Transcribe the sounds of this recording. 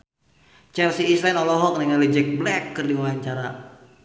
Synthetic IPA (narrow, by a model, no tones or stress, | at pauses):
t͡ʃɛlsiːslanɔlɔɦɔk̚nɛŋalɛd͡ʒɛk̚blɛkːɨrdiwaaɲt͡ʃaɾa